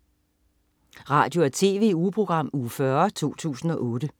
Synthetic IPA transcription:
ʁɑ̰̈ːd̥jo̝æɐt͡sʰe̝ːʋe̝̰upʰʁo̝ɡ̥ʁɑ̈m̰uːfɶɐt͡sʰo̝̰ːt͡sʰṵːsn̩ɒ̽ʔɔ̽ːd̥ə

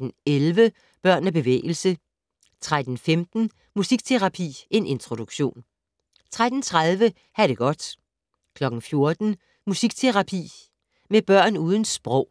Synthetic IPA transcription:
n̩elʋə | b̥ɶɐ̰næb̥e̝ʋḛːɪl̩sə | t͡sʰʁad̥n̩femd̥n̩ | musiɡ̥̚t͡sʰe̝ʁɑ̈pʰḭːʔe̝nʔe̝nt͡sʰʁo̝ɾ̥uɡ̥ɕo̝̰ːn | t͡sʰʁad̥n̩t͡sʰʁaðˠʋə | hæɾ̥e̝ɡ̥ɒ̽d̥ | kʰlɒ̽ɡ̥n̩fjo̝ɐd̥n̩ | musiɡ̥̚t͡sʰe̝ʁɑ̈pʰḭː | meb̥ɶɐ̰nuːð̞ˠn̩sb̥ʁɔ̽ʊ̰

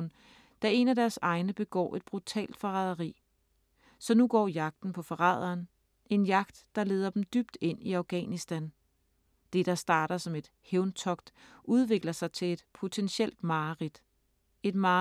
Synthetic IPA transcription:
n | d̥æe̝næd̥æɐsɑ̈ɪnəb̥e̝ɡ̥ɒ̰ːʔe̝d̥̚b̥ʁut͡sʰɛ̰ːld̥fɒʁɑð̞ˠɐʁḭː | sɒ̽nuɡ̥ɒ̰ːjɑ̈ɡ̥̚d̥n̩pʰɒ̽fɒʁɑ̰ðˠɐːn | e̝njɑ̈ɡ̥d̥ːɑ̈le̝ːð̞ˠɐd̥em̩d̥yb̥d̥e̝n̰iæ̈ʊɡ̥ɛ̰ːnisd̥æn | d̥e̝ɾ̥ɑ̈sd̥ɑ̈ːɾ̥ɐsɒ̽me̝d̥ | heʊnt͡sʰɒ̽ɡ̥d̥ʔuð̞ˠʋe̝ɡ̥lɐsɑ̈ɪt͡sʰe̝le̝d̥pʰo̝t͡sʰenɕel̰d̥mɑ̈ːʁid̥ | e̝d̥mɑː

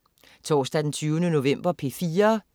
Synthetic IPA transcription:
t͡sʰɒ̰ːsd̥æd̥ent͡sʰyːʊnəno̝ʋem̰b̥ɐpʰe̝fiːɐ

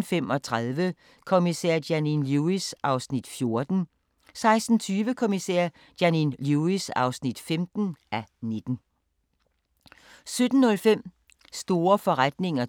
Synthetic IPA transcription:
femɒ̽t͡sʰʁaðˠʋə | kʰomisɛ̰ɐ̰d̥jæninluisʔɑ̈ʊsnid̥fjo̝ɐd̥n̩ | sɑ̈ɪsd̥n̩t͡sʰyːʋəkʰo̝misɛ̰ɐ̰ | d̥jæninluisɑ̈ʊsnid̥femd̥n̩ʔæne̝d̥n̩ | sød̥n̩ːɔ̽lfem̰ | sd̥o̝ːɐfɒ̽ʁad̥ne̝ŋɐ

